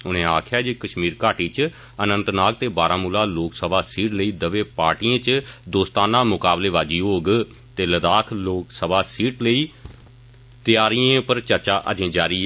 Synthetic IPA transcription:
ʊnẽːaːkʰjaːd͡ʒiːkəʃmiːɾkaːʈiːt͡ʃ | ənə̃nt̪naːk̚t̪eːbaːɾãːmuːlaːloːksəbaːsiːʈləiːd̪əʋeːpaːɾʈiːẽːt͡ʃd̪oːst̪aːnãːmʊkaːbleːʋaːd͡ʒiːoːɡ | t̪eːləd̪aːkʰloːksəbaːsiːʈləiː | t̪ɪjaːɾijẽːpəɾt͡ʃəɾt͡ʃaːʔə̰d͡ʒẽːd͡ʒaːɾiː

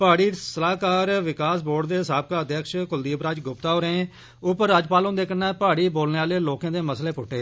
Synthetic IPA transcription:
paːɽiːsəlaːkaːɾʋɪkaːsboːɖd̪eːɦɪsaːb̚kaːəd̪jəkʃkʊld̪iːpɾaːd͡ʒɡʊpt̪aːoːɾeẽː | ʊpəɾaːd͡ʒpaːlõːnd̪eːkənːaːpaːɽiːboːlneːaːleːloːkãːd̪eːməsleːpʊʈːeː

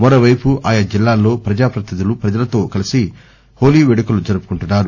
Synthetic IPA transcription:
mɐɾoːʋɐjpuʔaːjɐd͡ʒilːaːlːo̞ːpɾɐd͡ʒaːpɾɐt̪ɐd̪ilupɾɐd͡ʒɐlɐt̪o̞ːkɐlisi | ho̞ːliːʋeɽɐkulud͡ʒɐɾupu̥kuɳʈunːaːɾu

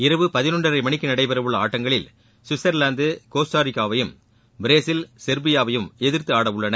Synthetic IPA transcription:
ɪɾɐʋɯpɐðɪnɔɳɖrɐɾɐɪmɐɳɪkːɯnɐɽɐɪpɛɾɐʋɯɭːɐaːʈːɐŋɡɐɭɪl | sɪsɐɾlaːnd̪ɯkoːsʈaːɾɪkːaːʋɐjɯm | bɪɾeːsɪlsɛɾbɪjaːʋɐjɯmɛðɪɾt̪ɯaːɽɐʋʊɭːɐnɐ

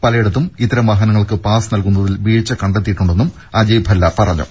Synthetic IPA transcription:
pɐlɐjeɽut̪ːumit̪ːɐɾɐmʋɐɦɐnɐŋːɐɭkɨpaːsnɐlkunːɐðilʋiːɻt͡ɕːɐkɐɳɖet̪̬ːijʈːuɳɖe̞nːum | ɐd͡ʑɐjbʱɐlːɐpɐrɐɲːṵ

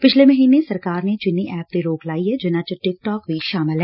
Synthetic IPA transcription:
pɪt͡ʃʰlemɐɦiːnesɐɾkaːɾnet͡ʃɪnːiʔɛːp̚t̪eɾoːklaːiɦɛd͡ʒɪnãt͡ʃəʈɪk̚ʈɔːkbʱiʃaːmɪlɦɛː

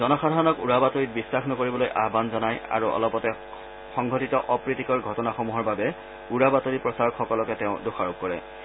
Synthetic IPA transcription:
zɔnɔxad̪ʱaɹnɔkuɹabatoɹit̚bisːaxnɔkoɹibɔlojʔa̰ɦbanzɔnaja̰ɹuʔɔ̰lɔpɔtɛ | xɔŋɡʱɔtitɔʔɔpɹitikɔɹɡʱɔtɔnaxomuɦɔɹbabɛ | uɹabatoɹipɹɔsaɹɔkxɔkɔlɔkɛtɛʊ̃doxaɹob̚kɔɹɛ̰

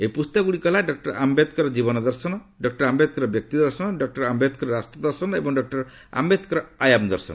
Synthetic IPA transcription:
epust̪ɔɡuɽikɔlaɖɔk̚ʈɔɾambed̪kɔɾɔd͡ʒibɔnɔd̪ɔɾsɔnɔ | ɖɔk̚ʈɔɾambed̪̚kɔɾɔbjɔk̚t̪id̪ɔɾsɔnɔɖɔk̚ʈɔɾambed̪kɔɾɔɾast̪ɾɔd̪ɔɾsɔnɔebɔŋɖɔk̚ʈɔɾɔ | a̰mbed̪kɔɾɔajamd̪ɔɾsɔ̰n

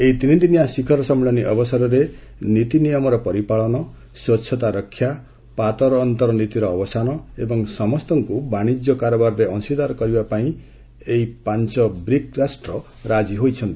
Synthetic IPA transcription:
eit̪init̪iniasikʰɔɾɔsɔmuɭɔniʔɔbɔsaɾɔɾe | nit̪inijɔmɔɾɔpɔɾipaɭɔnɔ | swɔtːt͡ʃʰɔt̪aɾɔkʰːja | pat̪ɔɾɔːnt̪ɔɾɔnit̪iɾɔːbɔsanɔebɔŋsɔmɔst̪ɔŋkubaɽ̃id͡ʒjɔkaɾɔbaɾɔɾeʔɔsid̪aɾɔkɔɾibapaĩ | eipant͡ʃɔbɾikɾasʈɾɔ | ɾad͡ʒiɦojt͡ʃʰɔnt̪ii

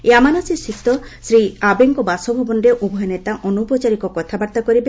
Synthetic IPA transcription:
eamanɔsisit̪ɔsɾiabeŋkɔbasɔbʱɔbɔnɾeʔubʱɔjɔnet̪aʔɔnupɔt͡ʃaɾikɔkɔt̪ʰabaɾt̪akɔɾibe

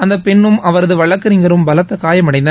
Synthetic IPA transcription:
ɐnd̪ɐpɛɳːɯmɐʋɐɾɐðɯʋɐɭɐkːɐɾɪŋɡɐɾɯmbɐlɐt̪ːɐkaːjɐmɐɽɐɪnd̪ɐ

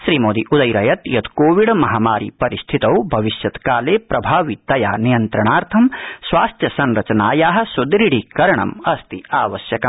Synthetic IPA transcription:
ʃɾiːmoːd̪iʔud̪ɐjɾɐjɐt̪jɐd̪koːʋiɽmɐɦaːmaːɾḭpɐɾist̪ʰit̪ɐwbʱɐʋiʃjɐt̪kaːleːpɾɐbʱaːʋit̪ɐjaːnijɐnt̪ɾɐɳaːɾt̪ʰɐmsʋaːst̪ʰjɐsɐnɾɐt͡ʃɐnaːjaːɦɐ̆sud̪ɾiɽikɐɾɐɳɐ̰mɐst̪iaːʋɐsjɐkɐ

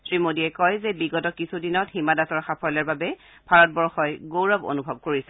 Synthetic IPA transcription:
sɹimodiɛkɔjzɛbiɡɔtɔkisʰudinɔthimadasɔɹxapʰɔjlɔɹbabɛ | b̥ʱaɹɔt̚bɔɹxɔjɡowɹɔbo̰nubʱɔb̚koɹisɛ

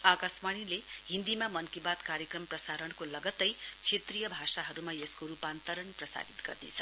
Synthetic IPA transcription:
akasmaɽ̃ileɦĩnd̪imamʌnkibat̪kaɾjekrʌmprʌsaɾʌnkolʌɡʌt̪ːʌjt͡sʰet̪rijʌbʱasaɦʌɾumajeskoɾupant̪ʌɾʌnprʌsa̰ɡit̪ɡ̥ʌ̰rd̪ḭt͡sʰʌ

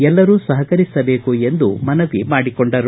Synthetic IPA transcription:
ɛlːɐɾuːsɐɦɐkɐɾisɐbe̞ːkue̞nd̪ṵmɐnɐʋimaːɽikoɳɖɐɾu

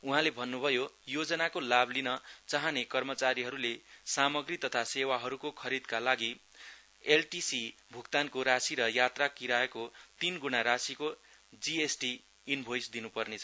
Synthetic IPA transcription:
uɦãlebʱʌnːubʱʌjojod͡zʌnakolablinʌt͡saɦʌnekʌrmʌt͡saɾiɦʌɾulesamʌɡrit̪ʌt̪ʰasewaɦʌɾukokʰʌɾid̪kalaɡi | elʈisibʱukt̪ankoɾasiɾʌjat̪rakiɾaekot̪inɡunaɾasikod͡ziesʈiː | nbʱojsd̪inupʌrnet͡sʰʌ

